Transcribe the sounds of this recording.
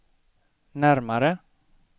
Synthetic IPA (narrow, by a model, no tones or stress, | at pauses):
næɾmaɾə